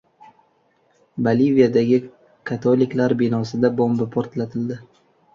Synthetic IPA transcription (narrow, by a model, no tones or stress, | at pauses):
balivijad̪aɡʲɪ | kʰat̪ʰolɪkʲlaɾbɪnɒsɪd̪abombɪpʰoɾt̪lat̪ʰɪld̪ɪ